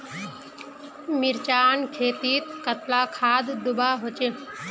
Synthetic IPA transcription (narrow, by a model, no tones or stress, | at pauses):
miɾt͡ʃaːnkʰeːt̪iːt̪̚kət̪laːkʰaːd̪d̪ʊbaːɦot͡ʃeː